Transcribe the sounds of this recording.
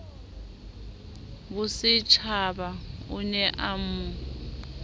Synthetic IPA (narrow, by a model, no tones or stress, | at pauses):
bʊsɪt͡ʃʰabaunɛʔamu